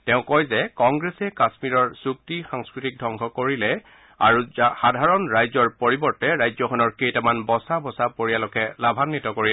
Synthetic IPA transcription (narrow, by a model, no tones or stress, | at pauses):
tɛʊ̃kɔjzɛkɔŋɡɹesɛkasmiɹɔɹsuktixaŋskɹitik̚dʱɔŋkʰɔkoɹilɛ | a̰ɹuxadʱaɹɔnɹajzɔɹpoɹibɔɹtɛɹajzɔxʰɔnɔɹkejtamanbɔsabɔsapoɹijalɔkɛlabʱanːitɔkoɹil